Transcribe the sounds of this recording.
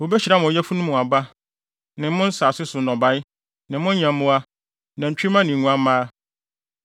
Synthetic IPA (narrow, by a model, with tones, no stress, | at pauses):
wo˨bɛ˦ɕi˨ɾa˦m̃˨jɛ˦fu˦nʊ̃˦mʊ̃˨a˨ba˦ | nɪ̃˨m˦mʊ̃˦n̩˦saː˨sɪ˦sʊ˨nɔ̃˨ba˦jɪ˦ | nɪ̃˨mʊ̃˦ɲã˨m˦mʊ̃˦a˦ | nã˨ɲ̩˨t͡ɕᶣi˦mã˦nɪ̃˨ŋũ˨˦ã˦mãː˦